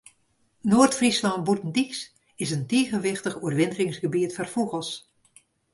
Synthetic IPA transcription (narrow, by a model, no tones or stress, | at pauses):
noːrtfrislɑnt̚butən̩diks | ɪsənteːχənʋɪχtəχuərʋɪndərɪŋsɡəbiətfarfuɣəlˠs